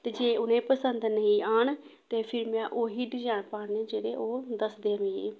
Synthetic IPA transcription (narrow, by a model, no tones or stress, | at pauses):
t̪eːd͡ʒeːʊnẽːpəsənd̪nəĩːaːɳ | t̪eːpʰɪɾmɛ̃ːʔoːɦiːɖd͡ʒaːɳpaːɳnẽːd͡ʒeːɽeːʔoːd̪əsd̪eːʋĩːḛː